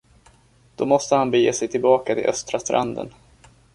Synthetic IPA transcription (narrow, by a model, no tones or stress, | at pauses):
d̪̥ɔmɔst̪əhanbəjeːsɛjt̪ʰɪlbɑːkat̪ʰɪlʔœst̪ɾast̪ɾʔa̰nd̪ə̰n